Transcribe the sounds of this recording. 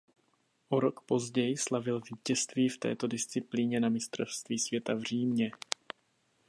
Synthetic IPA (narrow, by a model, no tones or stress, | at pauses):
ʔoɾokpo̞zɟɛjɪslavɪlviːcɛst̪viːft̪ɛ̰ːt̪o̞dɪst͡sɪpliːɲɛnamɪst̪ɾofst̪viːsvjɛt̪avr̝iːmɲɛ